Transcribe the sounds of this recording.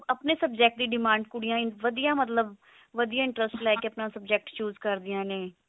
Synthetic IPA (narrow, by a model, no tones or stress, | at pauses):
əpneːsəbd͡ʒɛːk̚ʈ̚d̪iːɖɪmãːɳɖkʊɽijãːɪʋəd̪ijãːmət̪ləb | ʋəd̪ijãːɪ̃ɳʈɾəsʈlɛːkeəpnãːsəbd͡ʒɛːk̚ʈt͡ʃuːzkəɾd̪ɪjãːneː